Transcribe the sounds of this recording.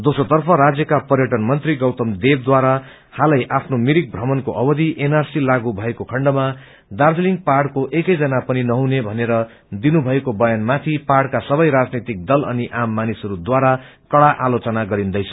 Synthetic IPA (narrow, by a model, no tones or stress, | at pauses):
d̪osot̪ʌrpʰʌɾad͡zjʌkapʌrjʌʈʌnmʌnt̪riɡʌwt̪ʌmd̪eb̚d̪waɾa | halʌjʔapʰnomiɾik̚bʱrʌmʌnkoʔʌbʌd̪iʔenarsilaɡubʱʌekokʰʌɳɖʌma | d̪ard͡zliŋ̚paɽkoʔekʌjd͡zʌnapʌninʌɦũnebʱʌneɾʌ | d̪inubʱʌekobʌjanmat̪ʰipaɽkasʌβʌjɾad͡znit̪ik̚d̪ʌlʌ̰niʔamːanisɦʌɾud̪waɾa | kʌɽaʔalot͡sʌnaɡʌɾind̪ʌjt͡sʰʌ̥